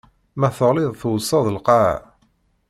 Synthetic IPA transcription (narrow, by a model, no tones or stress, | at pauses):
mæθəʁliðˤθwsˤːɑðˤəlqɑ